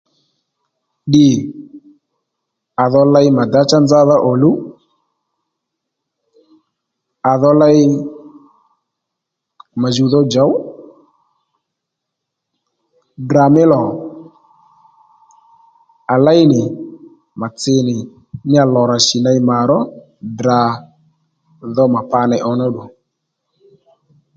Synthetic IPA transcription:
ɗɪ˨ | a˨ðɔ˧la˦jma˨da˦t͡ʃa˦nd͡za˦ða˦ʔɔ˨lu˦ | a˨ðɔ˧la˦ɪ˦ | ma˨zu˨ðɔ˦d͡ʒa˨˦w | dɾa˨mɪ˦lɔ˨ | a˨la˦ɪ˦nɪ˨ | ma˨t͡sɪ˧nɪ˨ | nɪ˦a˨lɔ˨ɾa˨ʃɪ˨na˧ɪ˦ma˨ɾɔ˦ | dɾa˨ | ðɔ˦ma˨pa˧nɛ˧˨ʔɔ˧nɔ˦ɗu˨

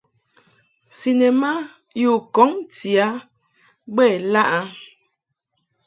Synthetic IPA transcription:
si˨ne˨ma˦ | ju˨kɔ˨˦ŋti˨a˦ | bɛ˦˨la˦ʔa˦

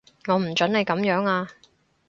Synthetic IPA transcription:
ŋɔː˨˧m̩˨˩t͡ʃɵ˨˥nle˨˧jkɐ˨˥mjœː˨˥ŋaː˧

